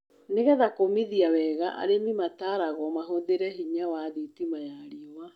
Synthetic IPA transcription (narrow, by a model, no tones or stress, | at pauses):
neɣɛðakomiðiawɛɣaʔa̰ɾemimataːɾaɣɔmaɦoðeɾɛɦiɲawaðitimajaɾiɔwa